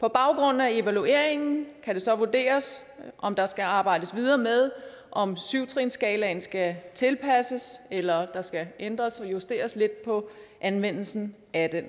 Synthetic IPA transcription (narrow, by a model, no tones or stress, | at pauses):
pʰɒ̽b̥ɑ̈ʊɡ̥ʁɔ̽n̰n̩æe̝ʋælue̝̰ɐ̰e̝ŋn̩kʰæde̝sɒ̽ʋud̥e̝̰ːɐs | ʔɒ̽md̥ɑ̈sɡ̥æɑ̈ːb̥ɑ̈ɪ̰d̥əsʋið̞ˠɐːmeð̞ˠ | ʔɒ̽msyʊt͡sʰʁinsɡ̥ɛːlɛnsɡ̥æt͡sʰe̝lpʰæsəselɐd̥ɑ̈sɡ̥æʔend̥ʁɐsɒ̽jusd̥e̝̰ːɐsle̝d̥̚pʰɒ̽ʔænʋen̰l̩sn̩ | æd̥en